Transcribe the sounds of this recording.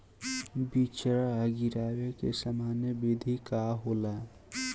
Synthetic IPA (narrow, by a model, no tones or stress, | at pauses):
bit͡ʃɾaaɡiɾaːwekesəmaːnjəbid̪ʱikaɦola